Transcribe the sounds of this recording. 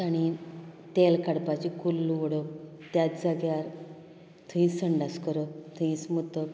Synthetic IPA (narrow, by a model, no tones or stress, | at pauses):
aɽ̃it̪elkaɽpat͡ɕikulːuʋɔɽə | t̪jatd͡zaɡjaɾ | t̪ʰəĩsəɳɖaskəɾət̪ʰəĩsmut̪ə